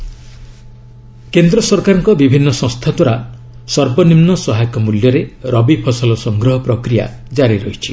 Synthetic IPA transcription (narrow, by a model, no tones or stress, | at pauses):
kend̪ɾɔsɔɾkaɾɔŋkɔbibʱinːɔsɔ̃st̪ʰat̪waɾa | sɔɾbɔnimnɔsɔɦajɔkɔmuljɔɾeɾɔbipʰɔsɔlɔsɔŋɡɾɔɦɔpɾɔkɾija̰ | d͡ʒaɾiɾɔɦit͡ʃʰi